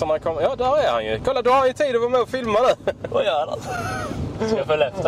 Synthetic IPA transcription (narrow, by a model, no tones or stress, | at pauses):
ɔnakʰɔmjɑːd̪æɾæha̰njɵ̰kʰɔlːad̪ɔhaɾhanjət̪ʰiːd̪ɔvamɛɔfɪlmanʉ̟ːva̰jœːɾad̪ɛ̰ | safolɛft̪a